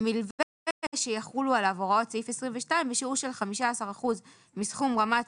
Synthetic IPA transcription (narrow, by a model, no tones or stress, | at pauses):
milveʃejaχulualavoʁotsifesʁimveʃtaimbeʃiuʃe̞lχamiʃaːsaʁaχuz | misχumʁama